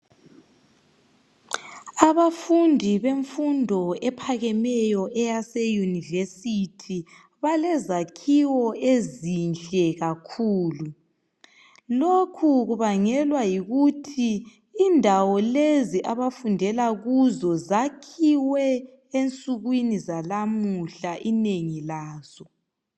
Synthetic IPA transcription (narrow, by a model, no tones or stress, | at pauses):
aβafundʱiβeɱfundʱɔɛpʰaɣɛmɛjɔʔɛjasɛjunivesitʰi | βalɛzakʰiwɔezint͡ɬʼɛɣakʰuːlu | lokʰuɣuβaŋɛlwajiɣutʰiː | ndʱawɔleziʔaβafundʱɛlaɣuzɔzakʰiwɛ | ent͡sʼuɣwinizalamuɬaʔineŋilaːz̥ɔ